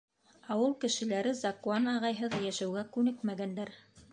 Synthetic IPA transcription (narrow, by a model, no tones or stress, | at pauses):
ɑwɤlˠkɘ̆ʃɘ̆læɾɘzɑkuanɑʁɑjɦɤðjæʃæwɡækʉnɘkmæɡænd̪æɾ